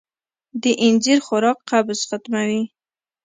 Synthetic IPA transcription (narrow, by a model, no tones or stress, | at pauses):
d̪əʔɪnd͡ʒiɾxʊɾɑqːabzxat̪mawi